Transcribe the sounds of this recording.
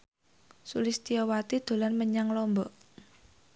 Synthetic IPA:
sulɪst̪iɔwat̪id̪̥o̤lanməɲaŋlɔmbɔʔ

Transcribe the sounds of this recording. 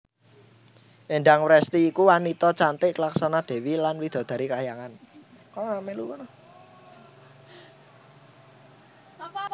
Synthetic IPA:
ʔeɳɖaŋwɾɛst̪iːkuwanit̪ɔt͡ʃant̪ɪʔklaksanɔd̪̥e̤wilanwid̪̥ɔ̤d̪̥ä̤ɾikajaŋan | kɔnɔamɛlukɔn

